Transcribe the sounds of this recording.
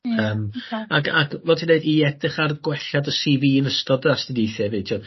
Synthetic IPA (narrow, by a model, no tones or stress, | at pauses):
əːmaa̰ɡʰlˠɔtʰineɨdiɛdɨχarɡwɛɬadəsiviːnəstɔdastidijθjɛvɨːtʰiɔ